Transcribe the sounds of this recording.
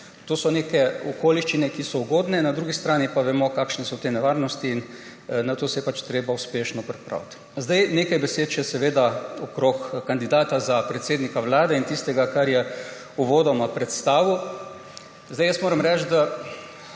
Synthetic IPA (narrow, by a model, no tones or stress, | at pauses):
t̪oːsɔneːkɛɔkoːliʃt͡ʃinɛkisɔuɡoːd̪nɛnad̪ɾuɡist̪ɾaːnipaʋɛmɔkaːkʃnɛsɔt̪eːnɛʋaɾnɔst̪iːn | nat̪oːsɛjɛpat͡ʃt̪ɾeːbauspeːʃnɔpɾɛpɾa̰wt̪ | zd̪ajneːkajbɛseːt̪ʃɛsɛʋeːd̪aɔkɾokkand̪id̪aːt̪azapɾɛt̪seːd̪nikaʋlaːd̪ɛint̪ist̪ɛɡakaɾjɛ | uʋoːd̪ɔmapɾɛt̪st̪aːʋiw | zd̪ajəsmoːɾɐmɾɛt͡ʃt̪d̪a